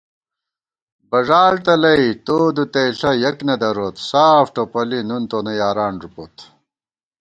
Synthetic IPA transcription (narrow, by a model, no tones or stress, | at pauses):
bɐʐaːlt̪ɐlɐit̪oːd̪ut̪ejɬɐjɐknɐd̪ɐɾot̪saːfʈopɐlinunt̪onɐjaːɾaːnɾupot̪